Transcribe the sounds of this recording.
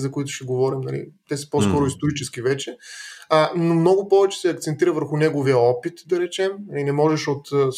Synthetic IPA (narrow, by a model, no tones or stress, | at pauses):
zɐkoit̪ʊ̥ʃɛɡovɔɾimnɐ̰lḭt̪ɛsɐ̥poskɔɾʊist̪oɾit͡ʃɛskivɛt͡ʃɛ | nomnɔɡʊpɔvɛt͡ʃɛ̥sɛɐkt̪sɛnt̪iɾəvəɾxʊnɛɡovijəɔpit̪d̪ɐɾɛt͡ʃɛmnnɐlinɛmɔʒɛʃot̪ːs